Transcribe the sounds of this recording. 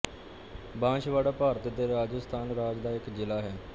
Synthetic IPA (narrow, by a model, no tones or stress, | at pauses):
bãːʃʋaːɽaːpaːɾət̪d̪eːɾaːd͡ʒəst̪ʰaːnɾaːd͡ʒd̪aːɪkd͡ʒɪlaːɦɛː